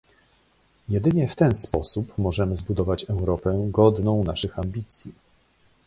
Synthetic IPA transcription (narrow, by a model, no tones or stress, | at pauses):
jɛd̪ɘɲɛft̪ɛnspɔsupmɔʐɛmɘzbud̪ɔvat͡ɕɛwɾɔpɛɡɔd̪nɔ̃w̃naʂɘxambʲit̪sʲji